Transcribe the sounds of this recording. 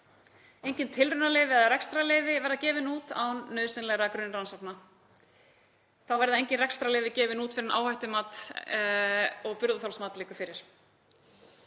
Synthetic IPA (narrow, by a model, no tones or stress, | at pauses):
ejɲcɪnt̪ʰɪlrʏnalɪːvɪɛðaɾɛkst̪ɾalɪːvɪvɛɾðacɛːvɪnuːt̪a̰wnːœːðsɪnlɛɣɾakɾʏnːransapna | θawvɛɾðaejɲcɪnrɛkst̪ɾalɪːvɪcɛːvɪnuːt̪fɪɾɪnʔa̰ːwhajht̪ʏmaːt̪ | ɔɣpʏɾðʏθalsmaːt̪liːkʏfɪɾɪɾ̥